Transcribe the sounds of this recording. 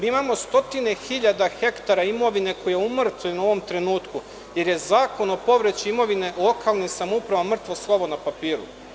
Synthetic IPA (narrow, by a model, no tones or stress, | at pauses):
miimamo̞st̪o̞t̪ine̞xiʎad̪axe̞kt̪aɾaimo̞ʋine̞ko̞jjeumr̩t̪ʋujnuo̞ʋo̞mt̪ɾe̞nuːt̪ku | je̞ɾje̞zaːko̞no̞po̞ʋɾe̞t͡ɕiimo̞ʋine̞lˠo̞kaːlˠnimsamupɾaʋamr̩t̪ʋo̞slˠoʋo̞napapiːɾṵ